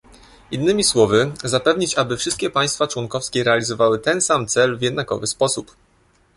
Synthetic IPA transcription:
inːɘmʲiswɔvɘzapɛvɲit͡ɕabɘfʂɘst̪kʲɛpaj̃st̪fat͡ʂwɔnkɔfskʲɛɾɛalʲizɔvawɘt̪ɛnsamt̪sɛlvʲjɛd̪nakɔ̰vɘspɔsup

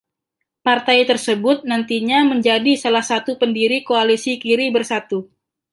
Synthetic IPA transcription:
part̪ajt̪ərsəbʊt̪̚nant̪iɲaməɲd͡ʒadisalahsat̪upəndiɾikoalisikiɾibərsat̪u

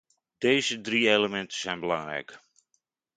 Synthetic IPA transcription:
d̥ejzədrieləmɛntə̥zɛjnbəlɑŋrɛ̰jk

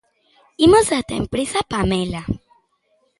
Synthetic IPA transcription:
imozat̪aḛmpɾesapamela

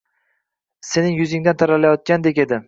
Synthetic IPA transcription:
se̞nɪŋjʊzɪŋd̪ant̪ʰaɾalajɒt̪̚kʲand̪e̞kʲe̞d̪ɪ

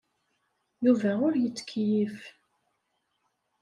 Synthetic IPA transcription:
juvæʊɾjət͡sːkʰːjif

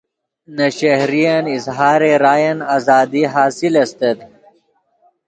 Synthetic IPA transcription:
nɐɕɐhɾijɐnizɦaːɾeɾaːjɐnaːzɑːd̪iɦaːsilɐst̪ed̪

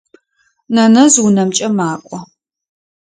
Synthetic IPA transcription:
nɐnɐzwʊnɐmt͡ʃʼɐmaːkʷʼɔ

